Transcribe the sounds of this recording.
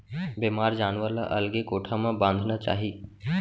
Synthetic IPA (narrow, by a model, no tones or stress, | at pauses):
bemaːɾd͡ʒaːnʋəɾla̰ʔəlɡekoːʈʰamãbãnd̪ʱnat͡ʃa̰ːɦiː